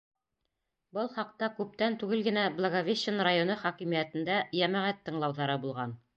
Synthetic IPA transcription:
bɤlˠχɑq̚t̪ɑkʉp̚t̪ænt̪ʉɡɘlɡɘ̆næblˠɐɡovʲeɕɘnɾajonɤχɒkimijæt̪ɘ̆nd̪æjæmæʁæt̪ːɤ̆ɴlˠɑwðɑɾɤbulˠʁɑn

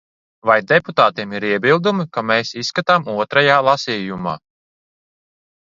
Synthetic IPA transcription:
vajd̪ɛput̪aːt̪iɛmiɾiɛbilˠd̪umikameːsisːkat̪aːmuɔt̪ɾajaːlˠasʲiːjuma̰ː

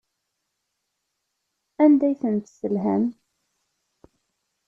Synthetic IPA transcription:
ænd̪æjθənt̪səlɦæ̰n

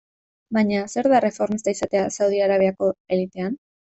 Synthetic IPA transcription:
baɲase̞ɾðare̞fo̞ɾmist̪aisat̪easawð̞iaɾaβe̞ako̞e̞lit̪e̞an

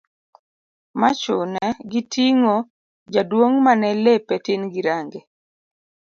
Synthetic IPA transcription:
mat͡ʃʊnɛɡitiŋɔ | d͡ʒadwoŋmanɛlepetinɡiɾaŋɡe

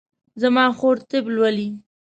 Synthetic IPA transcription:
zamɑxoɾt̪ɪblwali

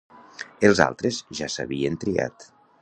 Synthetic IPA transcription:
elˠza̰lˠt̪ɾezʒasa̰βient̪ɾia̰t̪

